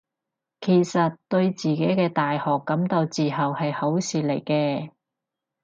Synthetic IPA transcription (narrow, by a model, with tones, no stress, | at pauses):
kʰe˨˩jsɐ˨t̚t̪ɵ˧ɥt͡siː˨ke˨˥jkɛː˧t̪aː˨jhɔː˨kːɐ˨˥mt̪o˧wt͡siː˨˩ɦɐ˨whɐ˨jho˨˥wsiː˨t̚le˨˩jkɛː˧